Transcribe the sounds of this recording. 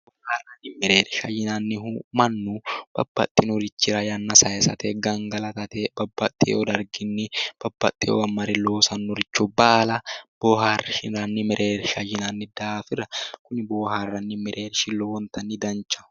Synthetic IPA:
b̥ɔːhaːrːɐnnɪmɛɾeːɾʃɐjːɪnɐnːɪhumɐnːub̥ɐ̰bːɐ̰t̪ʼːɪnɔɾɪt͡ʃːɪɾɐjɐnːɐsɐjɛsɐt̪eɡɐŋɡɐlɐt̪ɐt̪ebɐbːɐt̪ʼːɪ̰ɔd̪ɐɾɡɪnːɪb̥ɐbːɐt̪ʼːɪ̰ɔ̰wɐmːɐɾɪloːsɐnːɔɾɪt͡ʃːɔbaːlɐb̥oːhaːrʃɪɾɐnːɪmɛɾʔeːɾʃɐjːɪnɐnːɪd̪afɪrɐkʊnɪboːhaːrːɐnːɪmɛɾʔeːɾʃɪlowɔnt̪ɐnːɪd̪ɐnt͡ʃːɐ̥

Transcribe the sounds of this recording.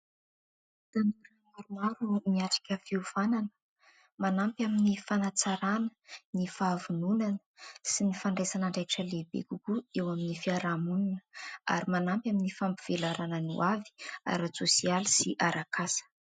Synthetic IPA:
t̪anuɾamaɾumaɾumiaʈ͡ʂḁkʲəfiuvananə̥ | manampʲaminifanat͡saɾanə̥nifavununanə̥sinifaɳɖ͡ʐesanaɳɖ͡ʐaʈ͡ʂəlebḛkukuewaminifiaɾamuninə̥a̰ɾimanampʲaminifampiv̥elaɾanənṵʔavi̥a̰ɾat͡sosialisiʔaɾakasə̥

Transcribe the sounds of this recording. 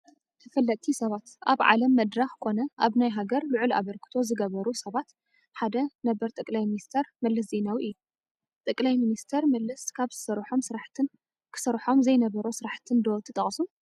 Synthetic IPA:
t̪ʰɐfɐlːɐt̪ʼʰːisɐβat̪ʔaβʕa̰lɐmːɐd̪ɾaxkʰo̞nɐʔaβnajɦaɡɐɾlɨʕula̰βɐɾkʰɨ̥t̪ʰo̞zɨɡɐβɐɾusɐβat̪ | ħad̪ɐnɐbɐɾt̪ʼɐkʼlajminist̪ʰɐɾmɐlːɐs̬ze̞nawiʔɨjːu | t̪ʼɨkʼlajminist̪ʰɐɾmɐlːɐskʰaβzɨsɐɾħo̞msɨɾaħt̪ʰɨn | kʰɨ̥sɐɾħo̞mzɐjnɐβɐɾosɨɾaħt̪ʰɨnd̪ot̪ʰɨt̪ʼɐχʼsu

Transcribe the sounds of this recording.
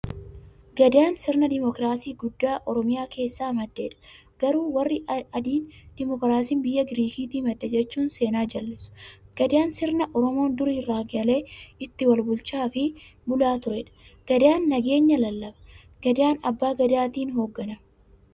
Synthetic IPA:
ɡɐd̪ɪaːnsɪɾnɐd̪ɪmɔkɾaːsiːɡʊd̪ːaːʔɔɾɔmɪjaːkʰe̞ːsːaːmɐd̪ːeːᶑɐ̥ | ɡ̥ɐɾuːwɐrːɪɐd̪iːnd̪̥ɪmɔkɾaːsiːnbɪjːɐɡɾiːkiːt̪iːmɐd̪ːɐd͡ʒɛt͡ʃːuːnse̞ːnaːd͡ʒɐlːɪsʊ̥ɡ̥ɐd̪ɪaːnsɪɾnɐʔɔɾɔmo̞ːnd̪ʊɾiːraːɡɐle̞ːɪt̪ːɪwɐlbʊlt͡ʃaːfɪbʊlaːt̪ʊɾɛːᶑɐ̥ɡ̥ɐd̪ɪaːnːɐɡe̞ːɲːɐlɐlːɐbɐ̥ | ɡ̥ɐd̪ɪaːnɐbːaːɡɐd̪ɪaːt̪iːnɦo̞ːɡːɐnɐ

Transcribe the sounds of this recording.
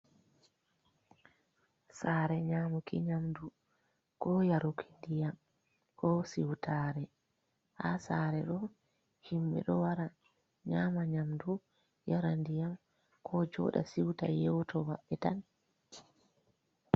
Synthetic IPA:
saːɾɛɲaːmukḭɲamdu | kɔjaɾukʰi̥ndijam | kʰɔsiwtʰaːɾɛ | ha̰saːɾɛɗɔ | himɓɛ̰ɗɔwaɾa | ɲaːmaɲamdu | jaɾandijam | kʰɔd͡ʒɔ̰ːɗa̰siwta̰jɛwtʰɔwaɓːɛtan

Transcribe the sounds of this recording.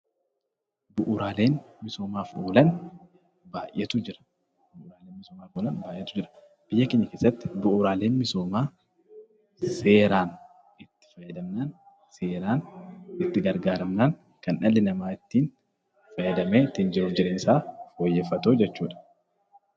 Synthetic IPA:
bʊʔʊɾaːle̞ːnmɪso̞ːmaːfoːlɐn | baːjʔɛt̪ʊd͡ʒɪɾɐ̥ | bʊʔʊːɾaːleːnmɪsoːmaːfoːlɐnbaːjʔɛt̪ʊd͡ʒɪɾɐ̥ | b̥ɪjːɐkeɲːɐke̞ːsːɐt̪ːɪ̥bʊʔʊɾaːle̞ːnmɪso̞ːmaː | se̞ːɾaːn | ɪt̪ːɪ̥fɐjɐd̪ɐmnaːn | seːɾaːnɪt̪ːɪɡɐɾɡaːɾɐmnaːn | kɐnɐlːɪnɐmaːɪt̪ːiːn | fɐjːɐd̪ɐmeːt̪ːɪnd͡ʒɪɾʊd͡ʒɪɾensaːfo̞ːjːɛːfɐt̪oːd͡ʒɛt͡ʃːuːᶑɐ̥

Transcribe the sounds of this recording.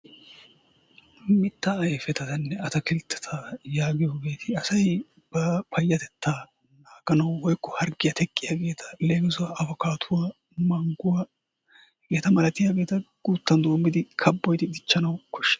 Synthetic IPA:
mɪt̪ːɐɐjfɛt̪ɐt̪ɐnːɛɐt̪ɐkɪlt̪ʰːɛ̥t̪ʰajaːɡɪjo̞ːɡe̞ːt̪ʰɪɐsɐj | b̥ɐpʰɐjːɐt̪ɛt̪ːaː | naːɡ̥ɐnɐwːɔjkːɔhɐɾɡɪjɐt̪ʰɛkʼːɪjaːɡe̞ːt̪ʰɐ̥leːɡɪzʊwaɐbɔkaːt̪ʰʊwaː | mɐŋɡʊwa | ɡɛt̪ɐmɐlɐt̪ɪjaːɡe̞ːt̪ɐɡ̥uːt̪ːɐnd̪o̞ːmːɪd̪ɪkʰɐbːɔjt̪ɪd̪ɪt͡ʃːɐnɐwkɔʃːɛ̥

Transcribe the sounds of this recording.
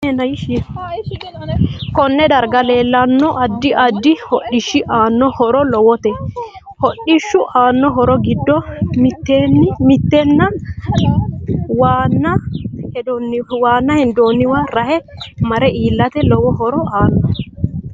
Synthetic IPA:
nɐʃɪ | kɔnːɛd̪ɐɾɡɐle̞ːlːɐnːɔʔɐd̪ːɪʔɐd̪ːɪhɔɗɪʃːɪʔaːnːɔhɔɾɔlɔwɔt̪ɛ | hɔɗɪʃːʊʔaːnːɔɦɔɾɔɡɪd̪ːɔmɪt̪ːeːnːmɪt̪ːɛnːɐ | waːnːɐhɛɔnːɪwaːnːɐhɪnd̪oːnːɪwaːɾɐhɛmɐɾɛiːlːɐt̪ɛlɔwɔɦɔɾɔaːnːɔ

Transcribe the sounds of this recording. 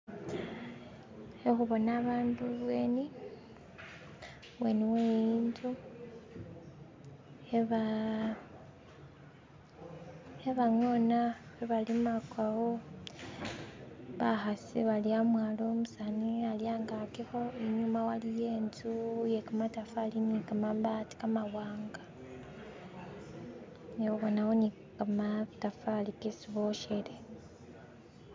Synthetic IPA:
exuβo̞naːβaːnduβwe̞ːni | βwe̞niwejiːntu | eβa | eβaŋonaβeβalimakwaɣo | βaxasḭβaliamwaːlo̞ːmusanialjaːŋɡakixoeɲumawalijeːnzujekamatafalinikamambati̥kamaɣwaːŋɡa | newoβonawoni | kamatafalikesiβoʃele

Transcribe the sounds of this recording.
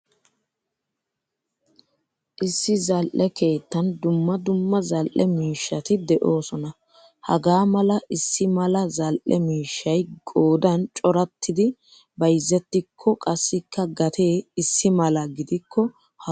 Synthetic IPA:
ʔɪsːɪzɐlʔɛke̞ːt̪ːɐnd̪ʊmːɐd̪ʊmːɐzɐlʔɛmiːʃːɐt̪ɪd̪ɛʔo̞ːsɔnɐ | hɐ̰ɡaːmɐlɐʔɪsːɪmɐlɐzɐlʔɛmiːʃːɐjɡo̞ːd̪ɐnt͡ʃʼɔɾɐt̪ːɪd̪ɪ | bɐjzːɛt̪ːɪkʰːɔkʼɐsːɪkːɐɡɐt̪ʰe̞ːɪsːɪmɐlɐɡɪd̪ɪkʰːɔ | h

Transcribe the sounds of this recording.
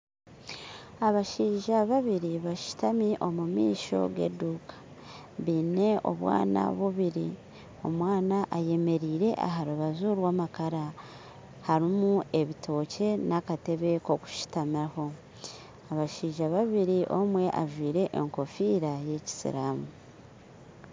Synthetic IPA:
aβaʃiːʒaβaβiɾiβaʃi̥tamiʔo̞mumḭːʃo̞̰ɡe̞̰duːkʰḁ | βiːne̞o̞̰βwa̰ːna̰βuβiɾḭ | o̞mwaːnaʔaje̞me̞ɾiːɾe̞ʔa̰ɦaɾuβazuɾwaːmakaɾa | haɾimue̞βitʰo̞ːcʰe̞nakate̞βe̞ko̞ku̥ʃi̥tamiaho̞ | aβaʃiːʒaβaβiɾiʔo̞mwe̞ʔa̰ʒwiːɾe̞ʔeŋko̞fiːɾaje̞ci̥sḭɾaːmu

